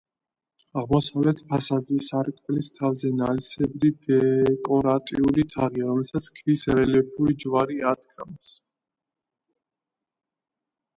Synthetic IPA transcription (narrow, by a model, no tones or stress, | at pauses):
aʁmɔsavlɛt̪ʰpʰasad̪isaɾkʼvɛlist̪ʰavzɛnalisɛbɾid̪ɛkʼɔɾat̪ʼiulit̪ʰaʁiaɾɔmɛlsat̪sʰkʰvisɾɛlɛp̚ʰuɾid͡ʒwaɾiat̪kʰams